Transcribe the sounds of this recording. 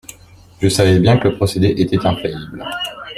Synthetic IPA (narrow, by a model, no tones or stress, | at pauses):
ʒəsavɛbjɛ̃kələpχɔsed̪eʔet̪ɛt̪ɛ̃pχajibl